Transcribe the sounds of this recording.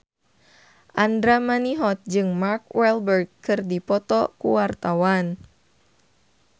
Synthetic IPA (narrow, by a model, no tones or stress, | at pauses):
ʔandɾamaniɦɔt̪̚d͡ʒɨŋmarkwʔɛlbərɡkɨrdipɔt̪ɔkuwart̪awan